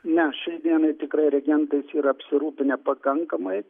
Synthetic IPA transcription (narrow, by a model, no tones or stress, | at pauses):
nʲɛʃʲɛɪd̪ʲiɛnɐɪt̪ʲɪkrɐɪɾʲɛɡʲɛnt̪ɐɪsiːɾɐɐpʲsʲɪɾuːpʲɪnʲɛpɐkɐŋkɐmɐɪ